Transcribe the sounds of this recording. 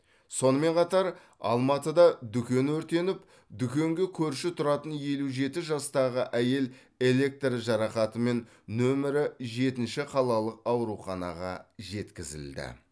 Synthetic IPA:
so̞nəme̞ɴqʰɑt̪ɑɾ | ɑ̰lˠmɑt̪əd̪ɑd̪ʏkʲe̞nɵɾt̪e̞nɪp | d̪ʏkʲe̞ŋɡʲe̞kʲʰɵɾʃɪt̪ʰʊɾɑt̪ənje̞luʒe̞t̪ɪʒɑst̪ɑʁəʔæje̞l | e̞le̞k̚t̪rʒɑɾɑχɑt̪əme̞nː | ɵmɪɾɪʒe̞t̪ɪnʃɪqʰɑlˠɑlˠəqɑwɾuχɑnɑ̰ʁɑ̰ʒe̞t̪kʲɪzɪ̰ld̪ɪ̰

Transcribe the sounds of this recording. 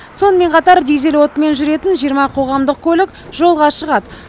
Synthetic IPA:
so̞nəme̞ɴqʰɑt̪ɑɾd̪ejze̞lwo̞t̪əme̞nʒʏɾe̞t̪ɪnʒijəɾmɑqʰo̞ʁɑmd̪əq̚kʲʰɵlɪk̚ | ʒ̥o̞lˠʁɑʃəʁɑd̪ə

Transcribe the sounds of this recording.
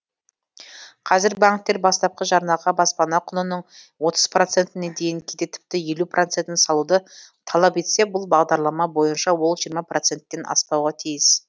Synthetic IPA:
qʰɑzɪɾbaŋkt̪ːe̞ɾbɑst̪ɑp̚qəʒɑɾnɑʁɑbɑspɑnɑqʰʊnənəɴ | wo̞t̪ə̥z̥pro̞t̪se̞nt̪ɪne̞d̪e̞jɪŋkʲʰed̪e̞t̪ʰɪ̥p̚t̪ɪje̞luprʔo̞t̪set̪ɪnsɑlˠud̪ət̪ʰɑlˠɑpe̞t̪se̞bʊlˠbɑʁd̪ɑɾlˠɑmɑbo̞jənʃɑwo̞lˠʒijɾmɑprot̪se̞nt̪ːe̞nʔɑ̰spɑwʁɑt̪ʰijɪs

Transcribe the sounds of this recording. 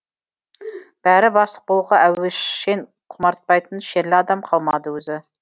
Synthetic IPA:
b̥æɾɪbɑsə̥q̚bolˠʁɑʔæweʃen | qʰʊmɑɾt̪̚pɑjt̪ənʃeɾlɪɑd̪ɑmqʰɑlˠmɑd̪əwɵzɪ

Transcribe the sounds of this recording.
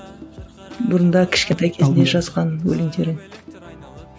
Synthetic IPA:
bʊɾənd̪ɑkʲʰɪ̥ʃkʲet̪ɑjkʲʰe̞ɪneʒɑzʁɑnwɵ̰lɪmd̪e̞ɾɪŋ

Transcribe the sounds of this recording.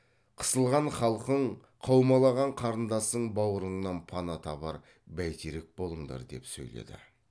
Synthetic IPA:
qʰə̥səlˠʁɑɴχɑlˠqəɴ | qʰɑwmɑlˠɑʁɑɴqʰɑɾənd̪ɑsəɴbɑwəɾəɴnɑnpʰɑnɑt̪ʰɑbɑ̰ɾ | bæjt̪ʰeɾek̚bo̞lˠəɴd̪ɑ̰ɾd̪e̞̰psɵ̰jlḛd̪ɪ̰

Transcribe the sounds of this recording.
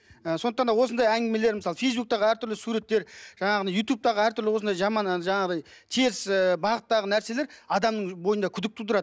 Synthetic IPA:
əso̞nd̪əqt̪ɑnd̪ɑwo̞sənd̪ɑjæŋɡʲɪeme̞leɾməsɑlˠəfe̞jzbuk̚t̪ɑʁəæɾt̪ʰʏɾlɪsuɾe̞t̪ːe̞ɾʒ̥ɑɴɑʁənɑjut̪jup̚t̪ɑʁəæɾt̪ʰʏɾlɪwosənd̪ɑjʒɑmɑnʒɑɴɑʁd̪ɑjt̪ʰeɪsəbɑʁət̪ːɑʁənæɾse̞le̞ɾɑd̪ɑmnəɴbo̞jənd̪ɑkʲʰʏd̪ɪk̚t̪ʰut̪əɾɑd̪ə

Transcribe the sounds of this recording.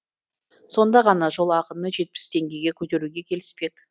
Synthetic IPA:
so̞nd̪ɑʁɑnɑʒo̞lˠɑqənəʒe̞t̪̚pɪ̥st̪ʰe̞ŋɡʲe̞jɡʲe̞kʲʰɵt̪e̞ɾuɡʲe̞kʲʰe̞lɪ̥spe̞k

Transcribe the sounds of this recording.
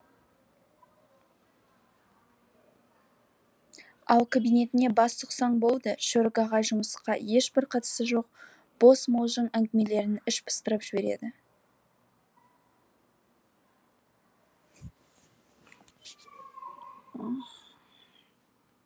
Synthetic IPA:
ɑ̰lˠkʰabijne̞t̪ɪne̞bɑst̪ʰʊqsɑɴbo̞lˠd̪əʃoɾɡɑʁɑʒʊməsqɑje̞ʃbɪɾqʰɑt̪ə̥səʒo̞q̚ | b̥o̞smolˠʒəɴæŋɡ̪ʲɪme̞le̞ɾɪnɪʃbə̥st̪əɾəpʒ̥ɪbe̞ɾe̞̰d̪ɪ

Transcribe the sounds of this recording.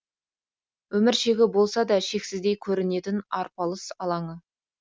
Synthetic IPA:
wɵmɪɾʃe̞ɡʲɪbo̞lˠsɑd̪ɑʃe̞ksɪzd̪e̞jkʲʰɵɾɪne̞t̪ɪnɑɾpɑlˠəsɑlˠɑɴə

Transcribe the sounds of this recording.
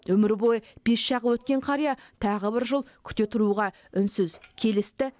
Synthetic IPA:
wɵmɪɾbo̞jəb̥e̞sʃɑʁəwɵt̪kʲe̞ɴqʰɑɾijɑt̪ʰɑʁəbɪɾʒəlˠkʲʰʏ̥t̪e̞t̪ʰʊɾuʁɑ | ʏnsʏzkʲʰe̞lɪst̪ɪ

